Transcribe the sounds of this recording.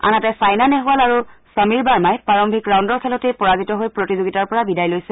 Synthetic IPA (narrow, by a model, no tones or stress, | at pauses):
a̰natɛsajnanɛɦualaɹu | səmiɹbaɹmajpaɹɔmbʱikɹawndɔɹkʰɛlɔtejpɔɹazitɔɦojpɹotizoɡitaɹpɔɹabidajlojsɛ